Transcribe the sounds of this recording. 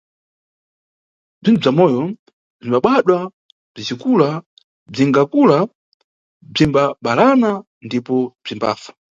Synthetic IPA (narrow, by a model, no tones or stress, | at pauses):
b͡ʐintʰub͡ʐamɔjɔ | b͡ʐimbaɓaɗwa | b͡ʐizikula | b͡ʐiŋɡakula | b͡ʐimbaɓalana | ndipɔb͡ʐimba̰ːfḁ